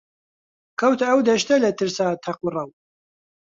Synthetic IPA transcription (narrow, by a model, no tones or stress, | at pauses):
kʰɐwt̪ɐɐwd̪ɐʃt̪ɐlɐt̪ʰɨɾsaːt̪ʰɐqrˤɐw